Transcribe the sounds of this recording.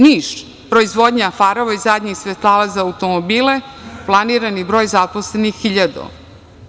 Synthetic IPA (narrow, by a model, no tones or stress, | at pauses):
niːʃ | pɾoizʋod̪ɲafaɾoʋaizad̪ɲixsʋet̪lˠaːʋazaːut̪o̞mobiːleplˠaniːɾanibɾo̞ːjzaposlenixːiʎad̪o̰